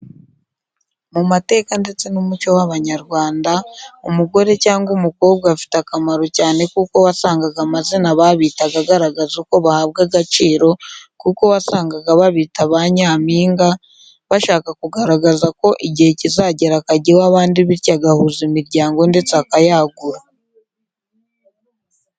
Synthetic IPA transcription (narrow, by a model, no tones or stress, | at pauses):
mumate̞ːkande̞t͡se̞numut͡ʃo̞waβaɲaɾɡwaːndaumuɡo̞ɾe̞caːŋɡumukoːbɡafi̥takamaɾo̞caːne̞kuko̞wasaːŋɡaɡamazinaβaβiːtaɡaɡaɾaɡazuko̞βahaːβ̚ɡaɡat͡ʃiːɾo̞kuko̞βasaːŋɡaɡaβaβiːtaβaɲaːmiːŋɡa | βaʃaːkakuɡaɾaɡazako̞ʔiɟihe̞cizaɟeɾakaɟiwaβaːndiβiɾcaɡahuːzimiɾɟaːŋɡo̞nde̞t͡sakajaɡuɾa